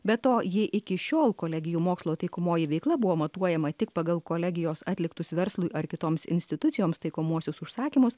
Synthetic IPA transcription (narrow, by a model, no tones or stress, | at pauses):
bʲɛt̪oːjɪʔɪkʲɪʃʲoːlˠkoːlʲɛɡʲɪjuːmoːkslˠoːt̪ɐɪkoːmoːjɪʋʲɛɪklˠɐbʊʋoːmɐt̪uɔjɛmɐt̪ʲɪkpɐɡɐlˠkoːlʲɛɡʲɪjoːsɑːt̪ʲlʲɪkt̪ʊsʋʲɛɾslˠʊɪʔɐɾkʲɪt̪oːmsɪ̰nʲsʲt̪ʲɪt̪ʊt̪sʲɪjoːmst̪ɐɪkoːmuɔsʲʊsʊʃsɑːkʲimʊs